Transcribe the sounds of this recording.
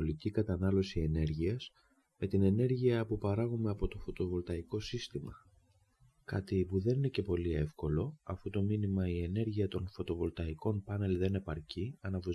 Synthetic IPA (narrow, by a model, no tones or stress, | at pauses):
olicikɐt̪ɐnɐlo̞sie̞ne̞ɾʝiɐz̥ | me̞t̪ine̞ne̞ɾʝiɐpupɐɾɐɣume̞ɐpo̞t̪o̞fo̞t̪o̞vo̞lt̪ɐiko̞sist̪imɐ | kɐt̪ipuðe̞nine̞ce̞po̞lie̞fko̞lo̞ɐfut̪o̞minimɐie̞ne̞ɾʝiɐt̪o̞nfo̞t̪o̞vo̞lt̪ɐiko̞npɐne̞lðe̞ne̞pɐɾciɐnɐvu